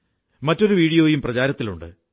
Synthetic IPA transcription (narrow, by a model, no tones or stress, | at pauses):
mɐtːo̞ɾuʋiːɽijo̞ːjumprɐt͡ɕaːɾɐt̪ːilṵɳɖɨ̰